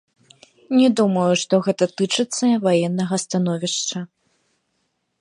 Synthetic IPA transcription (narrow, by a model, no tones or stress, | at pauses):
nʲɛd̪umɐjuʂt̪ɔɣɛt̪ɐt̪ɨt͡ʂɨt̪sːɐvajɛnːɐɣɐst̪anɔvʲiʂt͡ʂɐ